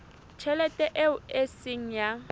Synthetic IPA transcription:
t͡ʃʰɛlɛtʼɛʔeʊesɪŋ̩ja

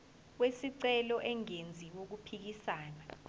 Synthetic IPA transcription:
wesiǀɛlɔʔɛŋend͡zʱiwok̬upʰik̬isaːna

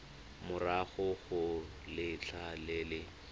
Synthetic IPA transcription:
mʊraɣʊɣʊ | lɪt͡ɬʰalɪːlɪ

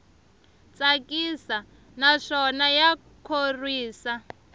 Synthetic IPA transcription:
t͡sakʼisa | naʂɔnaja | kʰorwiːsa

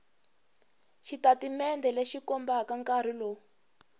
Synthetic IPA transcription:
ʃitatimɛndɛleʃikɔmbakaŋkar̤ilɔ

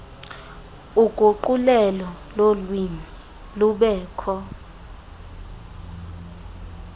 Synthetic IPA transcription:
uɡ̥ʱoǃulɛlɔ | lolwini | luɓɛːkʰɔ

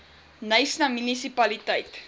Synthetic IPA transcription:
nəjsnɐmynisipɐlitəjt

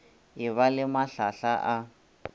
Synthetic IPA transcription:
iβalɪmaɬaɬaʔa

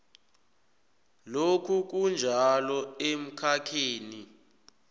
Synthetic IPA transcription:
lokʰuk̬und͡ʒʱalɔem̩kʰakʰeːni

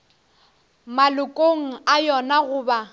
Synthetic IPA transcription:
malʊkʼoŋ̩ajɔnaɣʊːba

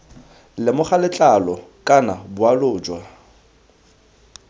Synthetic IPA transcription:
lɪmʊχalɪt͡ɬʼalɔkʼanabʊalʊːd͡ʒwa

